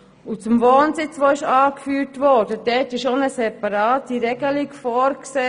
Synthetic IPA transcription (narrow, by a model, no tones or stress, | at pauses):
ut͡sʊmʋoːnsɪt͡sʋoːɪʃɑːkfyːɾtʋɔːɾd̥əd̥ɛtɪʃonəsɛpɑɾɑːtːiɾɛɡəlɪkfɔːɾkseː